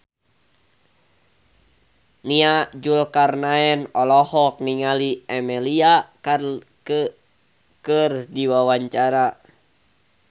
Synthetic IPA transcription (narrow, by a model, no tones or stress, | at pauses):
niad͡ʒulkarnaɛnɔlɔhɔk̚niŋaliɛmɛliaka | kərdiwawaɲt͡ʃaɾa